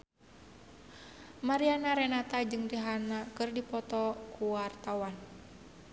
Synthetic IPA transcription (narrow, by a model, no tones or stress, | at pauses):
maɾianaɾɛnat̪ad͡ʒɨŋdiɦanakɨrdipɔt̪ɔkuwart̪awan